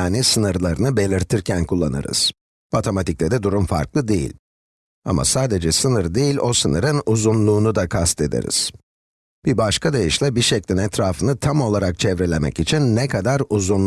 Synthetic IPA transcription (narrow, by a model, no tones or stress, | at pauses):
aːnisɯnɯɾlˠaɾɯnɯbe̞lʲiɾt̪ʰiɾcʰænkʰulˠːa̰nɯ̰ɾɯ̰z̥ | mat̪ʰomat̪iclʲɛd̪ɛd̪uɾumfa̰ɾklˠɯd̪ejḭlʲ | a̰ma̰saːd̪e̞d͡ʒɛsɯnɯɾd̪ejilʲo̞sɯnɯɾɯnuzunlˠuːnud̪akʰast̪ʰe̞d̪ḛɾḭz̥ | b̥ibaʃkʰad̪ajiʃlʲˠɛbiɾʃɛclʲinɛt̪ʰɾaːfɯnɯt̪ʰamo̞lˠaɾak̚t͡ʃʰɛvɾelʲemɛ̰cit͡ʃʰinːɛkʰad̪aɾuzunˠ